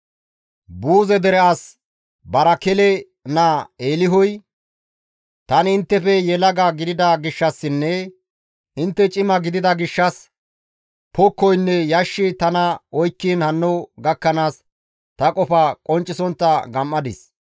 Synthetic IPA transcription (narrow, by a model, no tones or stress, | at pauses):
buːzɛd̪ɛɾɛʔɐs | bɐɾɐkɛlɛ | naːeːlɪɦɔj | t̪ɐnɪɪnt̪ːɛfɛjɛlɐɡɐɡɪd̪ɪd̪ɐɡɪʃːɐsːɪnːɛ | ɪnt̪ːɛt͡ʃʼɪmɐɡɪd̪ɪd̪ɐɡɪʃːɐs | pʰɔkːɔjnːɛjɐʃːɪt̪ɐnɐɔjkːiːnhɐnːɔɡɐkːɐnaːs | t̪ɐkʼɔfɐkʼɔnt͡ʃʼːɪsɔntːɐɡɐmːɐd̪ɪs